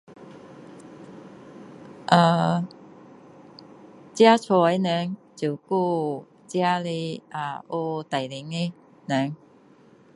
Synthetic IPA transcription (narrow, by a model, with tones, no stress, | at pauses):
ʔa˧˩ | t͡ɕja˦t͡sʰɔ˧˩e˧˦nɛ˧˦ŋt͡ɕu˨˩ku˥˧ | t͡ɕja˦le˧a˧o˧t̪a˨˩jli˨˦ŋe˧˦ | nɛ˧˦ŋ